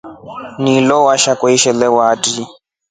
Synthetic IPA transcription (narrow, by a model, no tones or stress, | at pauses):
nilɔwaʃakʼwɔiʃɛlɛwaːtʼi